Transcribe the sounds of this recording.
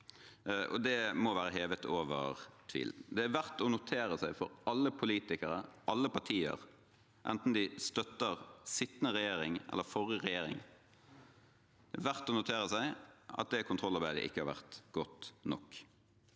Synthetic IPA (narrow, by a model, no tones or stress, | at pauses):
ʔɔ̰d̪ɛmɔʋæːɾəɦeːʋət̪ʰoːʋə̰ʁt̪ʰʋḭːld̪ɛæɾʋæʁt̪ɔnʊt̪ʰeːɾəsæɪfɔ̰ɾɑlːəpʰʊliːt̪ɪkəɾəʔɑlːəpɑʈʰiːə̰ʁ | ʔɛ̰nt̪n̩d̪ɪst̪œt̪ːəʁsɪt̪ːnəʁɛjeːɾɪŋʔɛ̰lːəfɔɾəʁɛjeːɾɪ̰ŋ | d̪̥ɛæʋæʁt̪ɔnʊt̪ʰeːʁəsæɪɑ̰t̪̚d̪ɛkʰʊnt̪ʰɾɔlɑɾbæɪd̪ə̰ʔɪ̰kːəhɑɾʋæ̰ʁt̪ɡ̥ɔt̪nɔkː